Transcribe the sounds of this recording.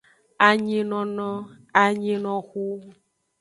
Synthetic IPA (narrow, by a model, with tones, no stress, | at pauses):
a˨ɲĩ˦nɔ̃˨nɔ̃˦ | a˨ɲĩ˦nɔ̃˨xu˦